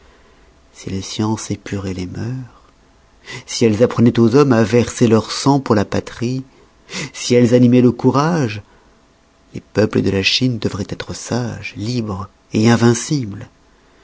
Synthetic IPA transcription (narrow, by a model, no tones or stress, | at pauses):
sḭlesjɑ̃sepyʁelemœʁ | siɛlzapχənɛt̪ozɔmavɛʁselœʁsɑ̃puʁlapat̪χi | siɛlzanimɛləkuʁaʒ | lepœpləd̪əlaʃind̪əvʁɛt̪ɛt̪χəsaʒlibʁ | eɛ̃vɛ̃sibl